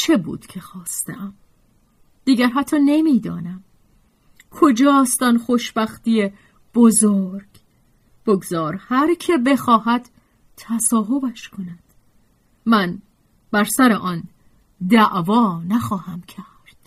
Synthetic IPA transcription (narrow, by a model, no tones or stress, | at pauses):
t͡ʃʰe̞bṵːd̪̥cʰe̞xɒːst̪eʔæm | d̪̥iːɡæɾɦæt̪ʰːɒːne̞miːd̪ɒ̰ːnæm | kʰod͡ʒɒːst̪ɒnχoʃbæxt̪ije | b̥ozoɾɡ̥ | b̥oɡzɒːɾhæɾcʰe̞be̞xɒːɦæd̪̥ | t̪ʰːæsɒːɦo̞bæʃkʰo̞næd̪̥ | mæn | bæɾsæɾeʔɒn | d̪æʔvɒːnæxɒːhæmcʰæ | ɾd̪̥